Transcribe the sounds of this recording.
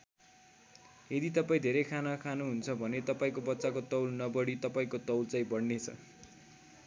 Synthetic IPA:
ed̪it̪ʌpaĩd̪ʱeɾʌjkʰanakʰanuɦunt͡sʰʌbʱʌnet̪ʌpaĩkobʌtːt͡sakot̪ʌwlnʌbʌɽit̪ʌpaĩkot̪ʌwlt͡saĩbʌɽnet͡sʰʌ̰

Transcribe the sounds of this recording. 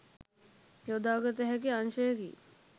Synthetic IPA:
jod̪aːɡət̪əɦɛkeanʃəjəkḭ

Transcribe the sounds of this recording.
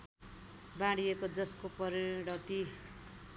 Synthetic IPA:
bãɽijekod͡zʌskopʌɾiɽʌt̪i

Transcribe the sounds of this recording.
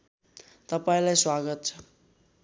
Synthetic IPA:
t̪ʌpaĩlajswaɡʌt̪̚t͡sʰʌ

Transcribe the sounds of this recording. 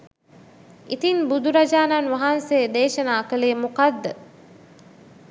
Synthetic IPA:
it̪inbud̪uɾad͡ʒaːnanʋaɦansejd̪eːʃənaːkəlejːmukad̪ːə

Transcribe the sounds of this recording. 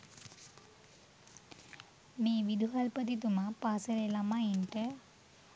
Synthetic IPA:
meːʋid̪ʱuɦalpət̪it̪umapaːsəɾelamainʈə

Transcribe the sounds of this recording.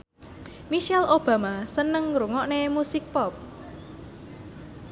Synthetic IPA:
miʃɛlʔob̥a̤masənəŋɾuŋɔʔnemusɪk̚pɔp̚

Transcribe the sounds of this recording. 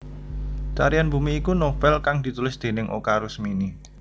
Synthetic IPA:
t͡ʃa̰ɾijanbṳmiːkunofɛlkaŋd̪̥i̤t̪ulɪsd̪̥e̤nɪŋʔo̰kaɾʊsmini

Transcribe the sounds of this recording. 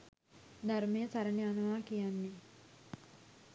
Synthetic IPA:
d̪armejəsaɾəneanɐʋaːkijanːe

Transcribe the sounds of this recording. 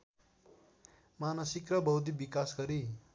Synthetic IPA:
manʌsikrʌbʌwd̪ibikasɡʌɾi

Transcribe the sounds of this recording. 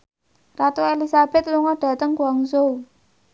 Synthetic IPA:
rat̪oelisab̥ɛt̪̚luŋɔɖ̥ä̤t̪əŋkuaŋsou

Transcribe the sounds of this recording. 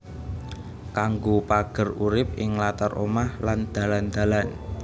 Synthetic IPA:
kaŋɡopaɡ̥ə̤ruɾɪp̚ɪŋlat̪arʔo̰mahland̪̥a̤land̪̥ä̤lan

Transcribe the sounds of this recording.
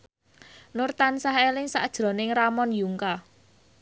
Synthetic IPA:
nʊrt̪ansaɦelɪŋsa̰ʔd̥ʒ̥ɾɔ̤nɪŋramɔnjuŋka

